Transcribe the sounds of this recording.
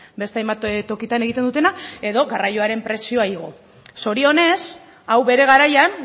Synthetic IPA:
be̞st̪eajmbat̪o̞kit̪ane̞ɣit̪enut̪e̞nake̞ðo̞ɣarajo̞aɾe̞mpɾe̞sio̞aiɣ̞o̞ | so̞ɾio̞ne̞s | awβe̞ɾe̞ɣ̞aɾajan

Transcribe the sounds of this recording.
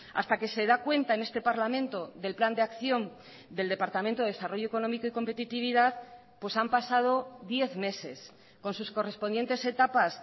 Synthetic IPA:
a̰st̪ake̞se̞ðakwe̞nt̪aenest̪epaɾlamẽ̞nt̪o̞ðe̞lpland̪eakθjo̞n | d̪e̞ld̪epaɾt̪amẽnt̪oeesaro̞ʝoeko̞nomiko̞iko̞mpe̞t̪it̪iβ̞iðað | pwe̞sampasað̞o̞ðje̞θme̞se̞s | ko̞nsusko̞re̞spo̞njent̪e̞se̞t̪apas

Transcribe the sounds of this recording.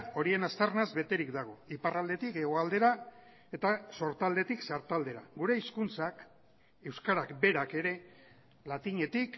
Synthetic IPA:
o̞ɾie̞nast̪arnazbe̞t̪e̞ɾikd̪aɣ̞o̞iparald̪e̞t̪ike̞ɣ̞o̞ald̪e̞ɾa | e̞t̪aso̞ɾt̪ald̪e̞t̪iksaɾt̪ald̪e̞ɾa̰ɡuɾe̞iskunt͡sak | e̞wskaɾakbe̞ɾake̞ɾe̞ | lat̪iɲe̞t̪ik

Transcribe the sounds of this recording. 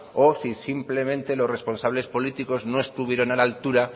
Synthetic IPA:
o̞sisimple̞mẽnt̪e̞lo̞sre̞spo̞nsaβ̞le̞spo̞lit̪iko̞zno̞e̞st̪uβ̞je̞ɾo̞nalalt̪uɾa

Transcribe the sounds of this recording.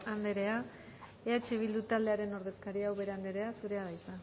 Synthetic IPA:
and̪e̞ɾe̞a | eat͡ʃeβ̞ild̪ut̪ald̪e̞aɾe̞no̞ɾðe̞skaɾiawβe̞ɾe̞and̪e̞ɾe̞asuɾe̞aðajt̪a

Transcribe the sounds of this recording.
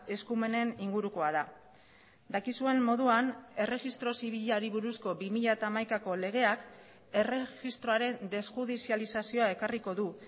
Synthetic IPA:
e̞skume̞ne̞niŋɡuɾuko̞aða | d̪akisue̞mːo̞ðuane̞re̞ɣist̪ɾo̞siβ̞iʎaɾiβuɾusko̞bimiʎat̪aːmajkako̞le̞ɣ̞e̞ak | e̞re̞xist̪ɾo̞aɾe̞nd̪e̞sxuðisialisasio̞ae̞kariko̞ðu

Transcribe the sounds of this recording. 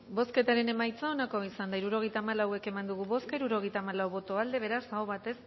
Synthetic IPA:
bo̞ske̞t̪aɾe̞ne̞majt͡sao̞nako̞isand̪aiɾuɾo̞ɣejt̪aːmalawe̞ke̞mand̪uɣ̞uβo̞skaiɾuɾo̞ɣejt̪aːmalawβo̞t̪o̞ald̪e̞β̞e̞ɾasaoβat̪e̞s

